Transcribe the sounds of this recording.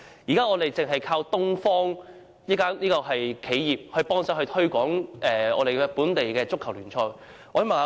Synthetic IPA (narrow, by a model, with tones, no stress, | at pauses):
jiː˨˩kaː˥ŋɔː˨˧t̪e˨jt͡sɪ˨ŋɦɐ˨jkʰaː˧wt̪ʊ˥ŋfɔː˥ŋ | niː˥kaː˥nliː˥kɔː˧ɦɐ˨jkʰe˨˥jjiː˨p̚hɵ˧ɥpɔː˥ŋsaː˨˧˥hɵ˧t̪ʰɵ˥ɥkʷɔː˨˥ŋʔɛː˨˩ɔ̰ː˧ɾe˨j̚puː˨˥nt̪e˨jkɛː˧t͡sʊ˥kʰːɐ˨˩wlyː˨˩nt͡sʰɔː˧j | ɔː˧jmɐ˨˩ŋa˧